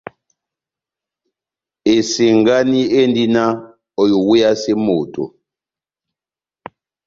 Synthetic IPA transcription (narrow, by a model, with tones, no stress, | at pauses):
e˨si˨ŋɡa˦ni˦e˦ndi˦na˦ | o˨jo˨wu˦ja˦se˦moː˨tʼɔ̰˨